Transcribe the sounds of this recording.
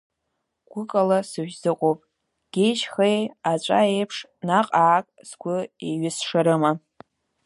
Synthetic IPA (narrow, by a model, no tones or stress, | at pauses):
ɡ̥ʷʊkʼalasɨʒʲᶣzɨqʼowpʼ | ɡ̥ʲejʃχejat͡ʃʷʼa̰ejpʰʂnaqʼaːkʼz̥ɡʷʊeɥɪsʂaɾɨma